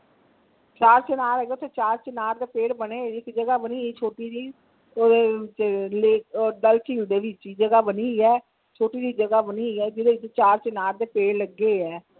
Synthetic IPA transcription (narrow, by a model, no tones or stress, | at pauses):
t͡ʃaːɾt͡ʃɪnaːɾɛːɡeot̪ʰeːt͡ʃaːɾt͡ʃɪnaːɾd̪eːpeːɽbəneːɪkd͡ʒəɡaːbəniːiːt͡ʃʰoːʈiːd̪iː | oːeːɪt͡ʃleːkːɖəlt͡ʃiːld̪eːʋɪt͡ʃiːd͡ʒəɡaːbəniːiɛː | t͡ʃʰoːʈiːd̪iːd͡ʒəɡaːbəniːiːɛːd͡ʒɪd̪eːɪt͡ʃt͡ʃaːɾt͡ʃɪnaːɾd̪eːpeːɽləɡːeːɛː